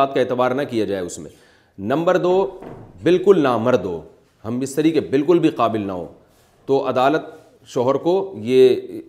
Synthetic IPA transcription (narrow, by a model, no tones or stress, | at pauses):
aːt̪̚kaeːt̪ɪbaːɾnɐkijad͡ʒaːeʊsmḛ̃ | nɐ̃mbəɾd̪oːbɪlkʊlnamɐɾd̪o̰ː | ɦɐmɪst̪ɐɾiːkebɪlkʊlbʱiqaːbɪlnɐ̰ɦo̰ː | t̪oʔɐd̪aːlət̪ | ʃɔːɦəɾkojeː